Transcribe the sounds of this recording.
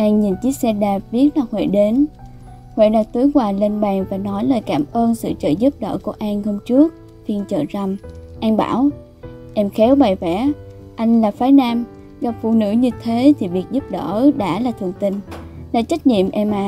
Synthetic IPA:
ʔa˧ŋɲi˨˩nt͡ɕi˦˥ək̚sɛ˧ɗaː˨˩p̚ɓi˦˥ət̚laː˨˩hwḛ˧˨ɗe˨˦n | hwḛ˧˨ɗaː˨˩k̚t̪u˨˦jkwaː˧˩le˧nɓaː˨˩ŋvaː˨˩nɔ˨˦jləː˨˩jkaː˧˩mʔəː˧nsɨ̰˧˨t͡ɕə̰ː˧˨zu˦˥p̚ɗə̰ː˧˩ku˧˩əʔa˧ŋho˧wŋ͡mt͡ɕɨ˦˥ək̚ | fi˧ənt͡ɕə̰ː˧˨zə˨˩wŋ͡mʔa˧ŋɓa̰ː˧˩w | ʔɛ˧mxɛ˨˦wɓa˨˩jvɛ˧˩˥ | ʔa˧jŋ̟laː˨˩faː˨˦jnaː˧m | ɣa˨˩p̚fṵ˧˨nɨ̰˧˥ɲɨ˧t̪ʰe˨˦t̪ʰi˨˩vi˨˩ək̚zu˦˥p̚ɗə̰ː˧˩ɗa̰ː˧˥laː˨˩t̪ʰɨ˨˩əŋt̪ï˧ŋ̟la̰ː˧˥t͡ɕa˦˥k̟̚ɲḭ˧˨əmʔɛ˧mʔaː˧˨

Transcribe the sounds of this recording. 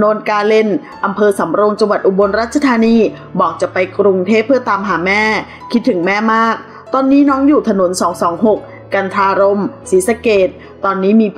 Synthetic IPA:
noː˧nkaː˧le˧n | ʔa˧mpʰɤː˧sa˩˦mɾo˧ŋt͡ɕa˧ŋwa˨˩t̪̚ʔu˨˩bo˧nɾaː˥˩t̪̚ʰa˧t̪ʰaː˧niː˧ | bɔː˨˩k̚t͡ɕa˨˩ʔpa˧jkɾu˧ŋt̪ʰeː˥˩pʰːɯ˥˩ət̪aː˧mɦaː˩˦mɛː˥˩ | kʰi˦˥t̪ʰːɯ˩˦ŋmɛː˥˩maː˥˩k̚ | t̪ɔː˧nːiː˦˥nɔː˦˥ŋjuː˨˩t̪ʰa˧no˩˦nsɔː˩˦ŋsɔː˩˦ŋɦo˨˩k̚ːa˧nt̪ʰaː˧ɾo˧msiː˩˦sa˧keː˨˩t̪̚ːɔː˧nːiː˦˥miː˧

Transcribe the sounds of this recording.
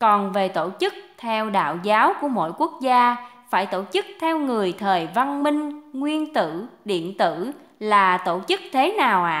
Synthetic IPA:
kɔ˨˩nve˨˩t̪o˧˩t͡ɕɨ˦˥k̚t̪ʰɛ˧wɗa̰ː˧˨wzaː˨˦wku˧˩əmo̰˧˥jku˦˥ək̚zaː˧ | faː˧˩jt̪o˧˩t͡ɕɨ˦˥k̚t̪ʰɛ˧wŋɨ˨˩əjt̪ʰəː˨˩jva˧nmï˧ŋ̟ŋwi˧ənt̪ɨ̰˧˨ɗḭ˧˨ənt̪ɨ̰˧˨ | laː˨˩t̪o˧˩˨t͡ɕɨ˦˥k̚t̪ʰe˨˦naː˨˩wʔa̰ː˧˨

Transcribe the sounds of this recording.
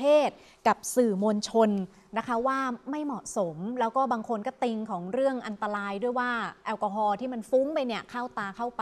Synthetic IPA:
eː˥˩t̪̚ | ka˨˩p̚sɯː˨˩mo˧nt͡ɕʰo˧n | na˦˥kʰa˦˥waː˥˩ma˥˩jmɔ˨˩so˩˦mlɛː˦˥wkɔː˥˩baː˧ŋkʰo˧nkɔː˥˩t̪i˧ŋkʰɔː˩˦ŋɾɯ˥˩əŋʔa˧nt̪a˧ɾaː˧jdu˥˩əjwaː˥˩ʔɛː˧wkɔː˧ɦɔː˧t̪ʰiː˥˩ma˧nfuː˦˥ŋpa˧jni˥˩əkʰa˥˩wt̪aː˧kʰa˥˩wpa˧

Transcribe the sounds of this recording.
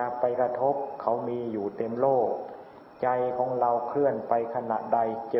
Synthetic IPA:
a˧pa˧jka˧t̪ʰo˦˥p̚kʰa˨˥wmiː˧juː˨˩t̪e˧mloː˥˩k̚ | t͡ɕa˧jkʰɔː˩˦ŋla˧wkʰlɯ˥˩ənpa˧jkʰa˧na̰˨˩ʔda˧jt͡ɕ

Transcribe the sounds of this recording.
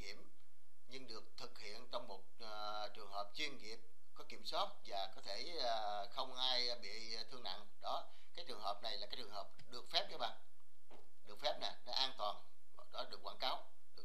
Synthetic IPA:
ŋi˧˩əm | ɲɨ˧ŋɗɨ˨˩ək̚t̪ʰɨ˨˩k̚hḭ˧˨ənt͡ɕɔ˧wŋ͡mmo˨˩t̚ | t͡ɕɨ˨˩əŋɦəː˨˩p̚t͡ɕwi˧ənŋi˨˩əp̚ | kɔ˨˦ki˧˩əmswaː˦˥t̚vaː˨˩kɔ˨˦t̪ʰe˧˩˨ | xə˧wŋ͡mʔaː˧j | ɓḭ˧˨ | t̪ʰɨ˧əŋna̰˧˨ŋɗɔ˨˦ | kaː˨˦jt͡ɕɨ˨˩əŋɦəː˨˩p̚na˨˩jlaː˨˩kaː˨˦jt͡ɕɨ˨˩əŋhəː˨˩p̚ɗɨ˨˩ək̚fɛ˦˥p̚nəː˨˦ɓa̰ː˧˨n | ɗɨ˨˩ək̚fɛ˦˥p̚na˨˩nɔ˨˦ʔaː˧nt̪waː˨˩n | ɗɔ˨˦ɗɨ˨˩ək̚ːwaː˧˩nkaː˨˦w | ɗɨ˨˩ə

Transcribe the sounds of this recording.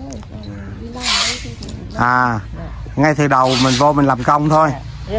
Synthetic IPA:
ʔaː˨˩ | ŋa˧jt̪ʰɨ˨˩ɗə˨˩wmï˨˩ŋ̟vo˧mï˨˩ŋ̟laː˨˩mkə˧wŋ͡mt̪ʰo˧j

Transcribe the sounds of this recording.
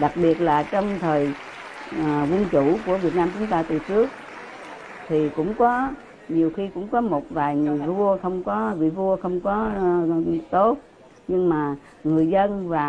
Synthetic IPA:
ɗa˨˩k̚ɓi˨˩ət̚laː˨˩t͡ɕɔ˧wŋ͡mt̪ʰəː˨˩j | vu˧ənt͡ɕu˧˩ku˧˩əvi˨˩ət̚naː˧mt͡ɕʊ˨˦ŋ͡mt̪aː˧t̪ɨ˨˩t͡ɕɨ˦˥ək̚ | t̪ʰi˨˩kʊ̰˧˥ŋ͡mkɔ˨˦ | ɲi˨˩əwxi˧kʊ̰˧˥ŋ͡mkɔ˨˦mo˨˩t̚vaː˨˩jŋɨ˨˩əjvu˧əxə˧wŋ͡mkɔ˨˦vḭ˧˨vu˧əxə˧wŋ͡mkɔ˨˦ | t̪o˦˥t̚ | ɲɨ˧ŋmaː˨˩ | ŋɨ˨˩əjzə˧nvaː˨˩

